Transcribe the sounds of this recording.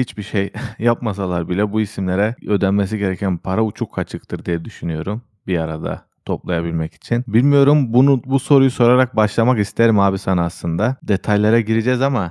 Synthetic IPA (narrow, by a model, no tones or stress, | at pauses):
hit͡ʃbiʃejjapmas̬alˠaɾbilʲɛbuisimlʲe̞ɾɛø̞d̪ænmːes̬iɟe̞ɾecʰænpʰaɾaut͡ʃʰukʰːat͡ʃʰɯk̚t̪ʰɯɾd̪ijɛd̪yʃynyjo̞ɾum | biaɾad̪a̰ | t̪ʰo̞plˠajabilʲmɛci̥t͡ʃʰinbilʲmijo̞ɾumbunubuso̞ɾujuso̞ɾaɾak̚baʃlˠamakist̪ʰeɾimaːbisanɯaslˠɯnd̪ad̪e̞t̪ʰajlʲˠeɾaɟiɾid͡ʒɛzama